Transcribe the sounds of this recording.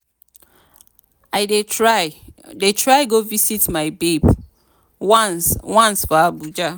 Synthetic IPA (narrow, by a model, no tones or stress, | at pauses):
aɪdeɹaɪdetʰɹaɪɡovisitmaɪbeb | nswãnsbabud͡ʒa